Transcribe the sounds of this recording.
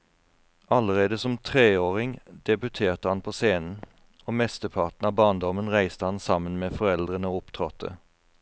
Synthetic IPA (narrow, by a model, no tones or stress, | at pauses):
ɑləʁeːd̪əsɔmt̪ʰʁeːoːʁɪŋd̪̥ɛbʉt̪ʰeːʁt̪əhɑnpʰoːseːnn̩ | oːmɛst̪əpʰɑʁʈ̪n̩ɑːbɑːnd̪ɔmənʁæɪst̪əhɑnsɑmənmeːfɔɾɛld̪ʁənəoːʊpt̪ʰʁɔt̪ʰːə̰